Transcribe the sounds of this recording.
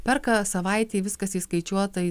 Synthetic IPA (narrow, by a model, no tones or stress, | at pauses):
pʲɛɾkɐsɐʋɐɪt̪ʲeːʋʲɪskɐsiːskɐɪt͡ʃʲuɔt̪ɐ